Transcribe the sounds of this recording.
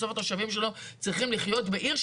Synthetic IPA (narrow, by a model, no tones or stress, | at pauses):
sofat̪oʃavimʃ̬e̞lo̞t͡sʁiχimliχjo̞tbeʔiʁʃ